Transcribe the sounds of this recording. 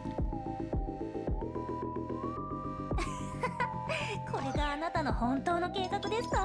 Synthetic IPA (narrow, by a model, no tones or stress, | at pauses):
kʰo̞ɾe̞ɡaːnat̪ano̞hõ̞nt̪o̞ːno̞ke̞ːkakɯ̟d̪e̞sɨ̥t̪o